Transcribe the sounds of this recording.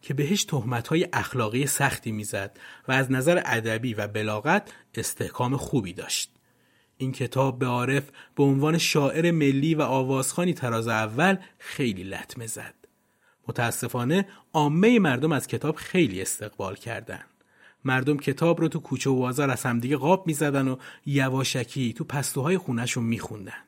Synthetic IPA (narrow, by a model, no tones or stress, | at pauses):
cʰe̞be̞ɦeʃt̪ʰohmæt̪hɒːje̞ʔæxlɒːɣiːjesæxt̪ʰiːmiːzæd̪̥væːznæzæɾeʔæd̪æbiːvæbe̞lɒːɣæt̪ʰe̞st̪ʰe̞hkʰɒːmexuːbiːd̪ɒ̰ːʃt̪̚ | iːncʰe̞t̪ʰɒːb̚ːe̞ɒːɾe̞fb̥eonvɒːne̞ʃɒːʔe̞ɾe̞me̞lːiːvæʔɒːvɒːz̥xɒːniːt̪ʰæɾɒːzeævːælxe̞jliːlæ̰t̪ʰme̞zæ̰d̪̥ | mot̪ʰæːsːe̞fɒːne̞ʔɒːmːejemæɾd̪o̞mæz̥cʰe̞t̪ʰɒːb̥xe̞jlḭːe̞st̪e̞ɣbɒ̰ːlcʰæ̰ɾd̪æ̰nd̪̥ | mæɾd̪o̞mcʰe̞t̪ʰɒːbɾɔːt̪ʰukʰuːt͡ʃʰeobɒːzɒːɾæz̥hæmd̪iːɟeɣɒːb̚miːzæd̪ænojævɒːʃæcʰit̪ʰupʰæst̪uɦɒːje̞xuːnæʃunmiːxund̪ænd̪̥